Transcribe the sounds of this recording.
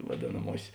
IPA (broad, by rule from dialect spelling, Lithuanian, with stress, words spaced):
ʋɐˈdʲeːnɐmuɔsʲeːs